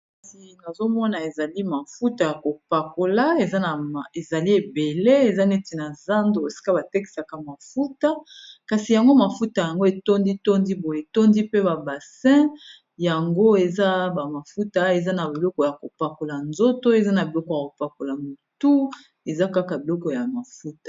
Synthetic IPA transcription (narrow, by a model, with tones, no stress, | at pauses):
kka˨si˨na˨zo˦mɔ˦na˨e˨za˨li˦ma˨fu˦ta˨ja˨ko˨pa˨ko˨la˦e˨za˦na˨e˨za˨li˦e˨be˨le˦e˨za˦ne˦ti˨na˨za˦ndo˨o˨si̥˦ka˦ba˨te˦ki̥˨sa˨ka˨ma˨fu˦ta˦ka˨si˨ja˨ŋɡo˦ma˨fu˦ta˨ja˨ŋɡo˦e˨to˦ndi˦to˦ndi˦bo˨e˨to˦ndi˦pe˦ba˨ba˨sɛ̃˦ | ja˨ŋɡo˦e˨za˦ba˨ma˨fu˦ta˦e˨za˦na˨bi˨lɔ˦kɔ˨ja˨ko˨pa˨ko˨la˨nzo˦to˦e˨za˦na˨bi˨lɔ˦kɔ˨ja˨ko˨pa˨ko˨la˨mo˨tu˦ | e˨za˦ka˦ka˨bi˨lɔ˦kɔ˨ja˨ma˨fu˦tḁ˨